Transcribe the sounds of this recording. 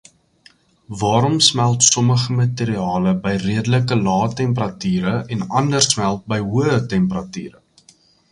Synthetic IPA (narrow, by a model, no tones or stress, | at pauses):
vɑːɾɔmsmælˠtsɔməχəmɐteɾiɑːləbəjriədələkəlɑːtɛmpərɐtyːɾəɛnɐndərsmælˠt̚bəjɦuəətɛmpərɐty̰ːɾə̰